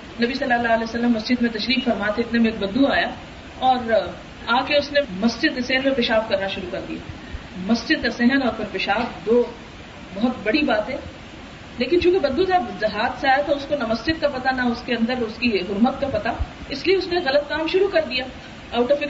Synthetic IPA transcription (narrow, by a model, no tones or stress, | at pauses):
nɐbisɐlːaːlaːəlɛːsɐlːəmːɐsd͡ʒɪd̪mẽt̪ɐʃɾiːkfɐɾmaːt̪ʰeɪt̪nemẽeːk̚bɐd̪ːuaːja | ɔːɾ | aːkeʊsnemɐsd͡ʒɪd̪̚kesɛɦənmẽpɪʃaːfkɐɾnaʃʊɾukɐɾd̪ija̰ː | mɐsd͡ʒɪd̪̚kasɛɦənɔːɾpʰɪɾpɪʃaːfd̪oː | bɐɦʊt̪bɐɽibaːt̪ɦɛ̃ː | leːkɪnt͡ʃũːkebɐd̪ːud͡ʒaːbzɐɦaːd̪seaːjat̪ʰaʊskonɐmɐsd͡ʒɪd̪̚kapɐt̪anaʊskeɐ̃nd̪əɾʊskiɦʊɾmət̪̚kapɐt̪aɪslieʊsneɣɐlət̪̚kaːmʃʊɾukɐɾd̪ijaː | aːʈofɪk